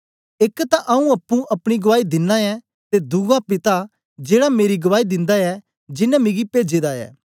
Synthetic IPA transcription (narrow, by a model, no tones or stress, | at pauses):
ɪkt̪aʔɐũɐpːũʔɐpɽ̃iɡɐʋaːid̪ɪnːãɛ | t̪ed̪uɡapɪt̪a | d͡ʒeːɽameːɾiɡɐʋaːid̪ɪ̃nd̪aɛ | d͡ʒɪnãmĩɡipeːd͡ʒeːd̪aɛ̰ː